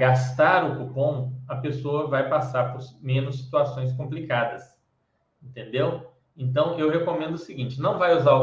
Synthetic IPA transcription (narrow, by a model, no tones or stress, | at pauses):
ɡast̪aɾʊkupõɐpesoɐvajpasaɾpoɾmẽnʊsːi̥t̪uasõj̃s̬kõmplikad̪ɐs | ẽnt̪ẽnd̪ew | ẽnt̪ɐ̃w̃ewɦekomẽnd̪ʊsiɡĩt͡ʃɪnɐ̃w̃vajuza